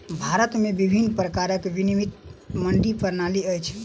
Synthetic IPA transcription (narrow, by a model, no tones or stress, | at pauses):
bʱaɾət̪mebibʱinːpɾəkaɾəkʋinimit̪məɳɖipəɾnaliəjt͡ʃʰ